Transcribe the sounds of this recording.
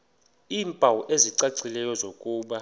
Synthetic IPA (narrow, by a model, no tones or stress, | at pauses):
iːmpʼawuʔeziǀaǀilɛjɔzokʼuːɓa